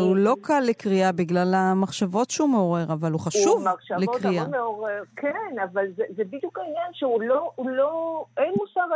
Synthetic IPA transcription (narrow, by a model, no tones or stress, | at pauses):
ulo̞kʰalːekʁiabiɡlalamaχʃavo̞tʃeumeo̞ʁe̞ʁavaluχaʃuvmaχʃavlekʁiameoʁeʁkʰenavalzezebid̪jukainjanʃeulouloenmusaʁ